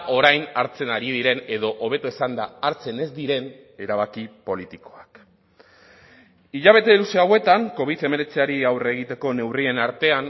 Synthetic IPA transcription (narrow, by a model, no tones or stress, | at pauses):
ʔo̞ɾajnaɾt͡se̞naɾið̞iɾe̞ne̞ðo̞ʔoβ̞e̞t̪uesand̪aːɾt͡se̞ne̞zd̪iɾe̞n | e̞ɾaβ̞akipo̞lit̪ikoak | iʎaβ̞e̞t̪e̞luseawe̞t̪aŋko̞β̞iðe̞me̞ɾe̞t͡siaɾiawre̞ɣ̞it̪e̞ko̞ne̞wrie̞naɾt̪e̞an